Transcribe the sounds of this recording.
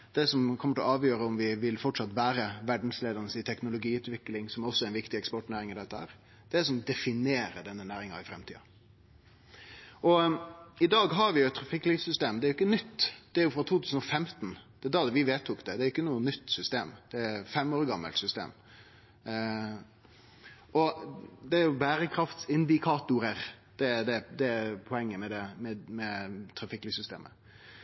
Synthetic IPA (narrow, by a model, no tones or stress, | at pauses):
d̪̥ɛsɔmkʰɔməʈɪlɔɑːʋjøːɾəɔmʋɪʋɪlfɔʈʂɑt̪ːʋæːɾəʋæɖn̩sleːd̪ənəsɪt̪ʰɛknʊlʊɡiːʉːt̪ʋɪklɪŋsɔmæɾɔsːɔæɾɛnʋɪkt̪ɪɛkspɔʈnæːɾɪŋɪd̪ɛt̪ːəhæ̰ːɾ | d̪̥ɛsɔmd̪ɛfɪneːɾəɖɛnːənæːɾɪŋɑ̰ɪfɾɛmt̪ʰḭːɑ̰ | ʔɔɪd̪ɑːɡɦɑɾʋɪjʊɛt̪ːʰɾɑfɪkːliːsʏst̪eːmd̪ɛæɾʏkːənʏt̪ːd̪̥ɛæɾjʊfɾɑt̪ʰuːt̪ʰʉːsən̩ɔfɛmt̪n̩d̪̥ɛd̪ɑd̪ɛʋɪʋeːt̪ʰːukd̪ɛd̪ɛæɾjʏkːənuːənːʏt̪ːsʏst̪eːmd̪̥ɛæfɛmːoːɾɡɑmːə̰lsʏst̪ḛːm | ʔɔd̪ɛɾjʊbæːɾəkʰɾɑft̪sɪnd̪ɪkʰɑːt̪ʊɾəɾ | d̪̥ɛd̪ɛd̪ɛpʰɔɛŋːəmɛd̪ɛmɛmɛt̪ʰɾɑfɪkːliːsʏst̪ḛːmə̰